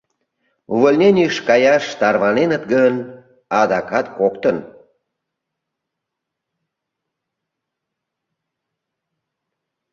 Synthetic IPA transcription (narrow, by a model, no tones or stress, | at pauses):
uvəlʲnʲenʲiʃkɑjɑʃt̪ɑrβɑnenət̪ɡən | ɑd̪ɑkɑt̪kokt̪ən